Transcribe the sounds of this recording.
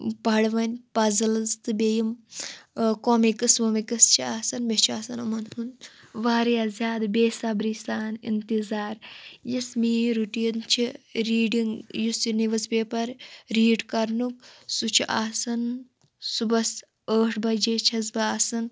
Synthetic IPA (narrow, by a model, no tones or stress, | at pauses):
pɐɽʋɐnʲpɐzɐlɐzt̪ɨbeːjim | komikɐsʋomikɐst͡ʃʰiaːsɐnbet͡ʃʰiaːsɐnɐmɐnhunʋaːɾijaːzʲjaːd̪beːsaːbɾisaːnḭnt̪izaːɾjɐsmiːɾuʈint͡ʃʰiɾiːɖiŋɡjusiniʋɐspeːpɐɾɾiːɖkɐɾnuk̚sut͡ʃʰiʔaːsɐn | subɐs | əːʈʰbɐd͡ʒeːt͡ʃʰɐzbɐaːsɐn